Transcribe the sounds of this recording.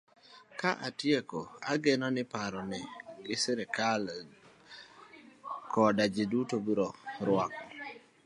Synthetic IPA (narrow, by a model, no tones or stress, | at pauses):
kaʔatjekoa̰ɡenɔnɪpaɾɔnɪɡɪseɾɛkal | kɔdad͡ʒɪdutobiɾɔɾʊwakɔ